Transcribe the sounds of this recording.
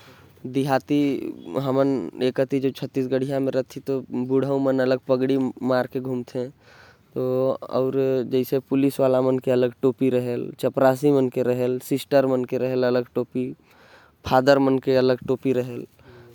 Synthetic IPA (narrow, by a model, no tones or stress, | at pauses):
d̪iɦat̪iɦəmənekət̪id͡ʒot͡ʃʰət̪ːisɡəɽ̤ijamẽɾəɦt̪ʰːit̪obuɽ̤ʱəũmənələɡ̚pəɡɽimaːɾkeɡʱumt̪ʰẽ | t̪oɔ̰ːɾd͡ʒəɪsepʊlisʋalamənkeələɡʈoːpiɾəɦelt͡ʃəpɾas̬imənkeɾəɦelsɪsʈəɾmənkeɾəɦelələɡʈoːpi | pʰad̪əɾmənkeələɡʈoːpiɾəɦel